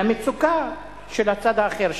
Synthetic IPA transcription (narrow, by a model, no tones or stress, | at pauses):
amet͡suka | ʃelat͡sad̪aːχeʁʃ